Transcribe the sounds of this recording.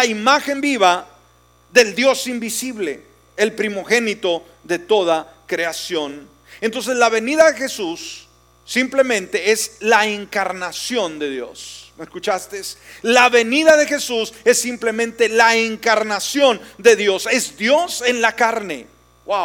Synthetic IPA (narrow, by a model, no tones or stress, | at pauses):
laimaxe̞mbiβa | ðe̞ld̪jo̞simbisiβle̞̰ | elpɾimo̞xe̞nit̪o̞ | ðe̞t̪o̞ða | kɾe̞asjo̞n | ent̪o̞ns̬e̞zlaβe̞niðaðexe̞susː | imple̞mẽ̞nt̪e̞eslaeŋkaɾnasjo̞nd̪e̞ðjo̞̰smeskut͡ʃast̪eslaβe̞niðaðe̞xe̞suse̞sːimple̞mẽnt̪e̞laeŋkaɾnasjo̞nd̪e̞ðjo̞se̞zd̪jo̞se̞nlakaɾne̞̰ | waw